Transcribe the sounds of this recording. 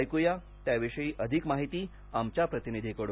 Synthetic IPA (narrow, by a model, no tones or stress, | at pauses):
jkuja | t̪jaʋiʂəiːʔəd̪ʱikmaɦit̪iː | amt͡ɕjapɾət̪inid̪ʱikəɽ